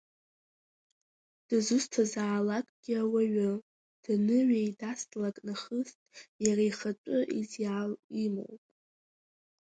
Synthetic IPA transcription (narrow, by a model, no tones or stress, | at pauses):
d̥ɨzustʰazaːlakʼɡ̥ʲiawaɥa | d̥nɨɥajdastʼlakʼnaχəstʼjarajχat͡ʃʷʼʊʔizjalimo̰wpʼ